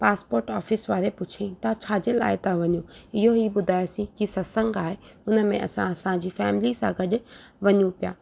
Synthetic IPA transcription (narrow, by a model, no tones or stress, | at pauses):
paːspoːɾʈɔːfɪsʋaːɾepʊt͡ɕʰĩt̪at͡ɕʰaːd͡ʑela̰ːɦɪt̪aʋɐɲũɪɦoɦiɓʊd̪ʱaːjosĩkisɐsə̃ŋɡaːɦeʊnə̆mẽʔɐ̰sãɐsãd͡ʑiːfɛːmɪlisã̰ɡɐɗʊʋɐɲũpija̰ː